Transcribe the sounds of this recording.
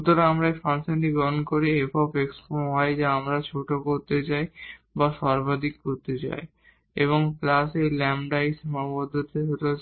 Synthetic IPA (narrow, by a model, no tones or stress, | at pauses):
ut̪oɾeamɾaefanseʈiɡɔɦonkoɾiefɔbeksomɦɔed͡ʑeamɾat͡ɕʰoʈokoɾt̪et͡ɕajbaʃɔɾbad̪ʱikːoɾt̪et͡ɕa̰e | eβoŋflasejlɛmɖajʃimabod̪ʱːot̪eɦot̪eo